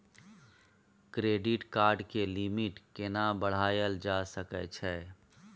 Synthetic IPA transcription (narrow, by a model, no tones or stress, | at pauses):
kɾeːɖɪʈkaːɾɖkelɪmɪʈkenabəɽ̤aːjəld͡ʒaːsəkɛt͡ʃʰɛː